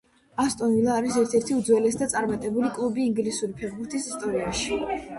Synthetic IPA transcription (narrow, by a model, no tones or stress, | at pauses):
ast̪ʼɔnvilˠaːɾisɛɾt̪ʰɛɾt̪ʰiud̪zwɛlɛsd̪at̪sʼaɾmat̪ʼɛbulikʼlˠubiːŋɡlisuɾipʰɛvbuɾt̪ʰʼisist̪ʼɔɾiaʃi